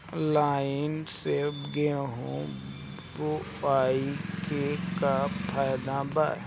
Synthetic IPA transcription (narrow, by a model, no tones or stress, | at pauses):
laːɪnseɡeɦõ | boaːikekapʰaːjd̪aba̰ː